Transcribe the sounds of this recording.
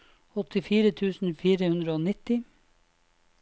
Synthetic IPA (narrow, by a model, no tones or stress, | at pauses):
ɔt̪ɪfiːɾət̪ʰʉːsn̩fiːɾəhʉnd̪ɾəoːnɪt̪ɪ